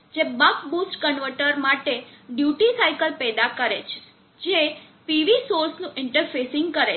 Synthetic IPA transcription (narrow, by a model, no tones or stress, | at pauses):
d͡ʒebakbusʈkəɳʋəʈəɾmaʈeɖjuʈisaikəlpɛd̪akəɾet͡ʃʰe̥ | d͡ʒe | piʋisoɾsnũʔɪɳʈəɾfʰesɪŋɡ̚kəɾe